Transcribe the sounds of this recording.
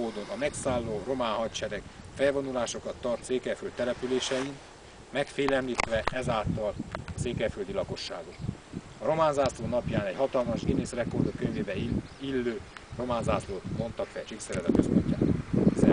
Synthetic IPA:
oːd̪o̞nɒmɛksaːlːoːro̞maːnɦɒtt͡ʃɛɾɛk | fɛjvo̞nulaːʃo̞kɒt̪ːɒrt̪seːkɛrfylt̪ːɛlɛpyleːʃɛin | mɛkfeːlɛmliːt̪ʋɛʔɛzaːlt̪ɒlɒseːkɛrfyld̪ilɒko̞ʃːa̰ːɡot̪ | ɒɾo̞maːnzaːsloːnɒpjaːnɛɟhɒt̪ɒlmɒʒɡineːsrɛkord̪okːøɲveːbɛilːøːro̞maːnzaːsloːt̪mo̞nt̪ɒkfɛ̰t͡ʃiksɛɾɛzɒ̰køspoɲca̰ːt̪zɛ

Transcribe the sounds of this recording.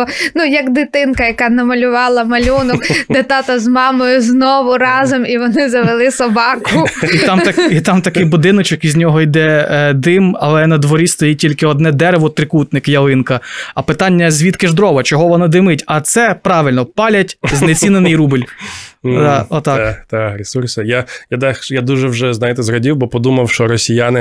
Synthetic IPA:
nujɐɡd̪ɪt̪ɪnkɐjɐkɑnɐmɐlʲʊʋɑlˠɐmɐlʲunɔkd̪et̪ɑt̪ɐzmɑmɔjʊznɔʋʊɾɑzɔmiʋɔnɪzɐʋelˠɪsɔbɑkʊit̪ɑmɐkit̪ɑmt̪ɐkɪjbʊd̪ɪnɔt͡ʃɔkizʲnʲɔɦɔjd̪ɛd̪ɪmɐ̰lˠɛnɐd̪ʋɔɾʲist̪ɔjitʲilʲkɪɔd̪nɛd̪ɛɾeʋɔt̪ɾɪkut̪nɪkjɐlˠɪnkɐɐpɪt̪ɑnʲːɐzʲʋʲit̪kɪʒd̪ɾɔʋɐt͡ʃɔɦɔʋɔnɑd̪ɪmɪtʲɐt̪sɛpɾɑʋɪlʲnɔpɑlʲɐtʲznnet͡sʲinenɪjrubɪlʲ | ɔt̪ɑt̪aɾʲesursɪjajad̪axjad̪uʒɛwʒɛznɑjɪt̪ɛzɾɔdʲiwbɔpɔd̪umɐwʃt͡ʃɔɾɔsʲijanɪ

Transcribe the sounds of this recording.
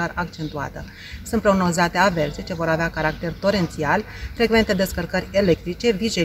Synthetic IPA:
arakt͡ʃe̞nt̪ua̰t̪ə | sunt̪̚pɾo̞ɡno̞zat̪e̞ave̞rse̞t͡ʃe̞vo̞ɾaveakaɾak̚t̪e̞rt̪o̞ɾe̞nt̪sial | fɾe̞ɡve̞nt̪e̞d̪e̞skərkəɾʲe̞le̞k̚t̪ɾit͡ʃe̞viʒe

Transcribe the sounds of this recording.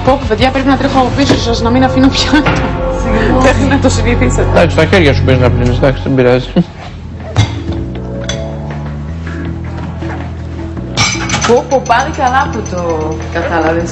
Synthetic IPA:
popupe̞ðʝɐpɾepinɐt̪ɾexoɐofisosɐznɐminɐfinopçɐ | ðexnɐt̪osinit̪isɐt̪ed̪ɐksi̥st̪ɐçeɾʝɐsupiznɐplinisd̪ɐksi̥t̪embiɾɐzi̥ | popopɐnikɐlɐput̪okɐt̪ɐlɐves

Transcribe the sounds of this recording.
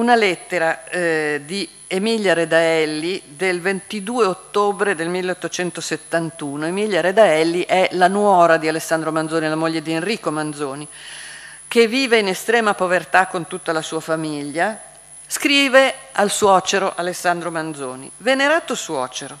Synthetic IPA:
unalɛt̪ːeɾa | d̪i | emiʎjaɾed̪aɛlːid̪elvent̪id̪uːeot̪ːoːbɾed̪elmilːeot̪ːot͡ʃɛnt̪oset̪ːant̪uːnoemiʎjaɾed̪aɛlːiʔɛlanwɔːɾad̪ialesːand̪ɾomand̪zoːnilamoʎːed̪ienriːkomand̪zoːni | kevːiːveinest̪ɾɛːmapovert̪akːont̪ut̪ːalasuːafamiʎːa | skɾiːvealswɔːt͡ʃeɾoʔalesːand̪ɾomand̪zoːnḭveneɾaːt̪oswɔːt͡ʃeɾo

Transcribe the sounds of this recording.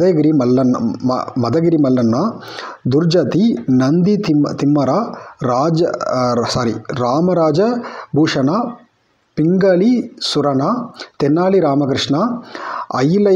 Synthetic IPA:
d̪ɐjɡiɾimɐlːɐnːmɐd̪ɐɡiɾimɐlːɐnːɐ | d̪uɾd͡ʒɐt̪inɐnd̪it̪it̪imːɐɾaɾaːd͡ʒɐsaːɾiɾaːmɐɾaːd͡ʒɐbʱuːʂɐna | piŋɡɐlisuɾɐnat̪enːaːɭiɾaːmɐk̬ɾɪʂɳɐ | ɐ̰jlɐ

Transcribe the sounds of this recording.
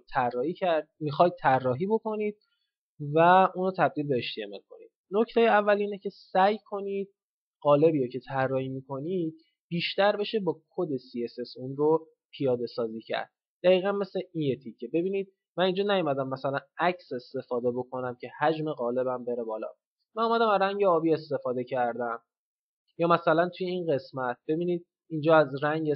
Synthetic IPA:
t̪ʰærːɒːhiːcʰæɾd̪̚mixɒjd̪̚t̪ʰærːɒːɦiːbo̞ko̞niːd̪̥̚ | væunɾot̪ʰæb̚d̪iːlbe̞eʃt̪iḛmḛlkʰo̞̰nḭd̪̥no̞cʰt̪ʰejeævːæliːnecʰe̞sæjkʰo̞niːd̪̚ | ɢɒːle̞biːɾocʰe̞t̪ʰærːɒːhiːmiːkʰo̞niːd̪̥̚ | b̥iːʃt̪æɾbe̞ʃe̞bɒːkʰod̪e̞siese̞sunro | pʰijɒːd̪e̞sɒːziːcʰæ̰ɾd̪̥̚ | d̪̥æɣiːɣænme̞sleʔinjet̪ʰicʰːe̞be̞biːniːd̪̚ | mænind͡ʒɒnæjumæd̪æmːæsælænæcʰse̞st̪e̞fɒːd̪e̞bo̞kʰo̞næmcʰe̞hæd͡ʒme̞ɣɒːle̞bæmbe̞ɾe̞bɒːlɒ̰ː | mænomæd̪æmæɾæŋɟeɒːbiːe̞st̪e̞fɒːd̪e̞cʰæɾd̪æm | jɒːmæsælænt̪ʰuje̞inɢe̞smæt̪̚ʰb̥e̞biːniːd̪̥̚ | ind͡ʒɒːæzɾæŋɟe

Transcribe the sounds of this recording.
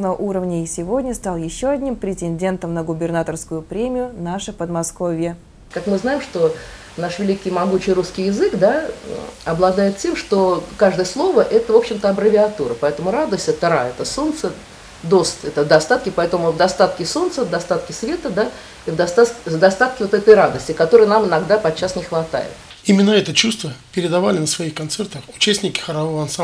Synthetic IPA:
nəəʔuɾəvnʲəɪsʲɪvo̞dʲnʲəst̪alˠjɪɕːo̞ɐdʲnʲimpɾʲɪtʲɪnʲdʲe̞nt̪əmnəɡʊbʲɪrnat̪ərskʊjʊpɾʲemʲɪjʊnaʂɨpəd̪mɐsko̞vʲjə | kakmɨznajɪmʂt̪o | naʂvʲɪlʲikʲːɪjmɐɡut͡ɕɪjɾuskʲɪjɪzɨkd̪a | ɐblˠɐd̪ajɪt̪tʲe̞mʂt̪okaʐd̪əjəslˠo̞vəʔɛt̪əvo̞pɕːɪmt̪əɐbɾəvʲɪɐt̪uɾəpɐɛt̪əmʊɾad̪əsʲt̪ʲɛt̪əɾaɛt̪əsont̪sə | d̪o̞st̪ɛt̪əd̪ɐst̪at̪kʲɪpɐɛt̪əmʊvd̪ɐst̪at̪kʲɪso̞nt̪səvd̪ɐst̪at̪kʲɪsvʲe̞t̪əd̪a | ivd̪ɐst̪at̪kʲd̪ɐst̪at̪̚kʲɪvot̪ɛt̪əjɾad̪əsʲtʲɪkɐt̪oɾɨjənamɪnɐɡd̪apɐt̪̚t͡ɕːasnʲɪxvɐt̪a̰jɪ̰t̪ | imʲɪnːəɛt̪ət͡ɕust̪vəpʲɪɾʲɪd̪ɐvalʲɪnəsvɐixkɐnt̪sɛrt̪əxʊ̥t͡ɕæsʲtʲnʲɪkʲɪ̥xəɾɐvovəɐnsa

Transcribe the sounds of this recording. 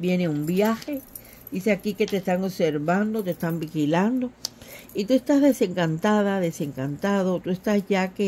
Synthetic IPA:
bje̞neumbjaxe̞ | d̪iseakike̞t̪est̪aŋoβse̞ɾβand̪ot̪est̪ambixiland̪o̞it̪ue̞st̪azðe̞se̞ŋkant̪aðaðe̞se̞ŋkant̪aðot̪ue̞st̪asʝake

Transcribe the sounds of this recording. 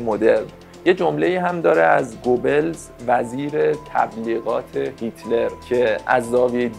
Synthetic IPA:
mod̪e̞ɾn | je̞d͡ʒomleiːɦæmd̪ɒːɾeæzɡobelz | væziːɾet̪ʰæ̰bliːɣɒːt̪ʰe̞hit̪ʰle̞ɾcʰe̞æ̰zːɒːvid̪

